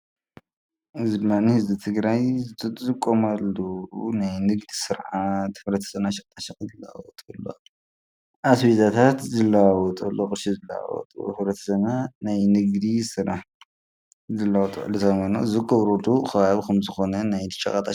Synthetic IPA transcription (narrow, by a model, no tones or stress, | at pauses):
ʔɨzid̪ɨmːanihɨzbit̪ʰɨɡɾajzɨt̪ʰʼɨt̪ʼzɨkʼːomalːunajnɨɡd̪isɨɾʕat̪ʰɨβɾɐt̪ʰɐ̥sɐβnaʃɐkʼt̪ʰʼaʃɐχʼzɨlːɐwa̰wɔt̪ʼulːo̰ | ʔasbizat̪ʰat̪zɨlːɐwawɔt̪ʼɐlːokʼɨʃizɨlːɐwa̰wɔ̰t̪ʼṵβɾɐt̪ʰɐ̥sɐnanajnɨɡd̪isɨɾʔaħ | zɨlːɐawɔt̪ʼṵʕlːut̪ʰamɐno̰zɨkʼɐβɾolukʰɐβaβikɐmzɨxo̞nɐnajt̪ʃʼɐ̰kʼat̪ʼa